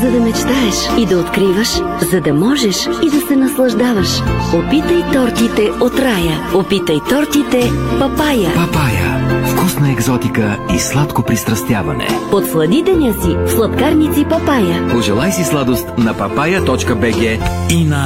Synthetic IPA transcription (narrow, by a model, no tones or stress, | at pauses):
zɐd̪ɐmɛt͡ʃt̪aɛʃid̪ɐot̪kɾivəʃ | zɐd̪ɐmɔʒɛʃid̪ɐsɛnɐslˠɐʒd̪avɐʃopit̪əjt̪ɔɾt̪it̪ɛot̪ɾajəopit̪ɐjt̪ɔɾt̪it̪ɛpɐpajəpɐpajə̰fkusnɐɛɡzɔt̪ikəislˠat̪kopɾist̪ɾɐst̪javɐ̰nɛ̰pot̪flˠɐd̪id̪ɛnʲəsifslˠɐt̪kaɾnʲit̪sipɐpajəpoʒɛlˠajsislˠad̪ost̪nɐpɐpajət̪ɔt͡ʃkəbɛɡɛinɐ